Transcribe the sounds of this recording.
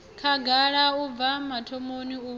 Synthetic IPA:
kʰaɡʱaɺauvamatʰɔmoniu

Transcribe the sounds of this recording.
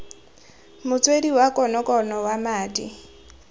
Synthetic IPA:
mʊt͡sʼwediwakʼɔnɔkʼɔnɔwamaːtʼi

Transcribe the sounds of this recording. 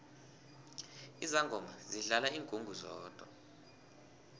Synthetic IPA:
izaŋɡʱɔmaziɬalaiːŋkʼuŋɡʱuzɔːd̥ʱwa̰

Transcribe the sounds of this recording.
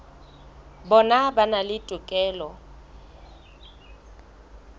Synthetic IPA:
bɔnabanalɪtʼʊkʼɛːlɔ

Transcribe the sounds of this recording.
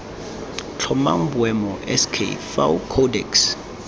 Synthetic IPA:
t͡ɬʰɔma̰ŋ̩bwɛmɔʔɛskʰḛfa̰wkʰɔdɛks

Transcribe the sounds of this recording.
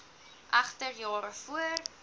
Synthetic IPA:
ʔɐχtərjɑːɾəfuər

